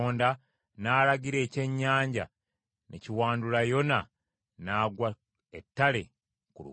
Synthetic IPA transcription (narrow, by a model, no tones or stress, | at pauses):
oːnda | naːɾaɟiɾe̞ːce̞ɲːaːɲɟa̰ | nʔeciwaːndulajo̞na | naːɡwa | etːale̞̰ | kulṵ